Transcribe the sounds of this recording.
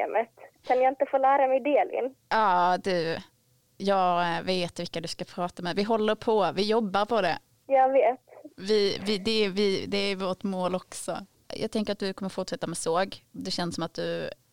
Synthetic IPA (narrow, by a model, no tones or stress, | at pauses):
mət̪kʰanjaɪnt̪əfoːlæːɾamɛjd̪eːlɪ̰nʔɑːd̪ʉ | jɑːɡveːt̪vɪlkːad̪ɵskapʰɾɑːt̪amɛd̪vɪɦɔlːəɾpʰɔvɪjɔbːaɾpʰɔd̪ɛ̰ | jɑːveːt̪vɪvɪd̪ɛvɪd̪ɛːvoːʈmoːlɔksɔ̰ | jɑ̰ːɡ̚t̪ʰɛŋkəɾat̪̚d̪ɵkʰɔmːəɾfʊʈʂɛt̪ːamɛsoːɡd̪ɛɕɛnsɔmat̪̚d̪ɵ